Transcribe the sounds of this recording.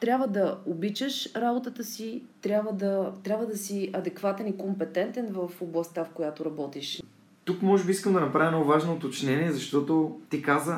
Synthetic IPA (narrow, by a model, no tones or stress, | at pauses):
t̪ɾʲabvəd̪ɐobit͡ʃəʃɾabot̪ət̪əsit̪ɾʲabvəd̪ɐt̪ɾʲabvəd̪ɐsiɐd̪ɛkvat̪ɛnikompɛt̪ɛnt̪ɛnvəfoblˠɐst̪əfkojat̪oɾɐbɔt̪iʃ | t̪ukmɔʒɛbiiskəmd̪ɐnɐpɾavʲjɐnovaʒnoot̪ot͡ʃnɛniɛzɐʃt̪ɔt̪ot̪ikazə